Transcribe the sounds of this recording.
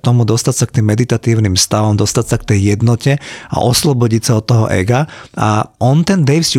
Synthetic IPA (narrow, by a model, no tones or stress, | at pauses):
t̪ɔmud̪ɔst̪acsak̚t̪iːmːɛd̪it̪at̪iːʊnimst̪aʋɔmd̪ɔst̪acsakt̪ɛjːɛd̪nɔcɛa̰ʔɔslɔbɔɟicsaɔt̪ːɔɦɔ̰ʔɛ̰ɡaa̰ʔɔnt̪ɛnd̪ɛjfs